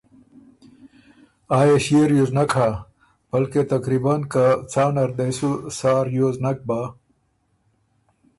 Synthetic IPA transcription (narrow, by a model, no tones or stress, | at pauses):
aːjeɕieɾjoznɐkʰa | b̥ɐlket̪ɐkɾibankat͡saːnɐɾd̪ɐjsusaːɾjoːznɐk̚ba